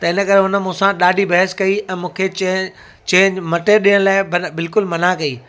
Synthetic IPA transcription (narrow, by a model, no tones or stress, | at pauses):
t̪ɐɪnə̆kɐɾeɦʊnə̆mũːsãɗaːɖʱibɐɦəskɐiɛ̃ːmũːkʰe | t͡ɕeːɲmɐʈeɗijəɽ̃laːɪbɐbɪlkʊlmɐnakɐiː